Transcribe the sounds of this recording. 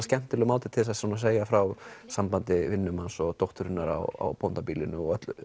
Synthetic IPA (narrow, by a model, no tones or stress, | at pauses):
scɛn̥t̪ɪlʏmawt̪ɪt̪ʰɪlɛs̬asunas̬eːjafɾawsampant̪ɪvɪnːʏmansɔɣt̪owht̪ʏɾɪnaɾa̰wa̰wpont̪apiːlɪnʏɔɣœt̪l